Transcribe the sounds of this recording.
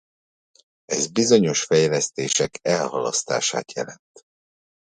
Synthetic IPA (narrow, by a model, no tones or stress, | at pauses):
ɛzbizo̞ɲo̞ʃfɛjlɛst̪eːʃɛkɛlhɒlɒ̰st̪a̰ːʃa̰ːt̪jɛlɛnt̪